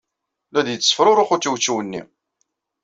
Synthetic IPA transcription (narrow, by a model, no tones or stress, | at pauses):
læd̪jət͡sːəsə̥fɾʊɾˤʊχut͡sːuwt͡ʃːuwənːḭ